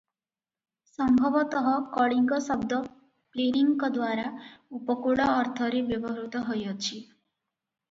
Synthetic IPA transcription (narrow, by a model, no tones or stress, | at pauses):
sɔmbʱɔbɔt̪ɔɦɔkɔɽiŋɡɔsɔb̚d̪ɔ | pleɾiŋkɔd̪waɾaupɔkuɭɔːɾt̪ʰɔɾebjɔbɔɦɾut̪ɔɦojɔt͡ʃʰi